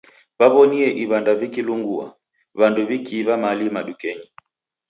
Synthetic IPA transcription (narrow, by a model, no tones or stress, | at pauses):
βaβɔniɛʔiβandavikiluŋɡua̰ | βanduβikiβamalimaɗukɛɲi